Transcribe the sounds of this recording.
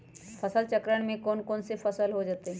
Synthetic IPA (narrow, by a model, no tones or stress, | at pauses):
pʰɐsəlt͡ʃəkɾəɽ̃mẽkɔːnkɔːnsefʰɐsəlɦod͡ʒaːt̪eɦɛ̃